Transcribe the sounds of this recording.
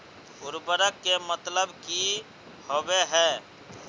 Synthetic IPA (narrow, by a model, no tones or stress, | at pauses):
bʊɾbəɾəkːemət̪ləbki | hobeɦɛ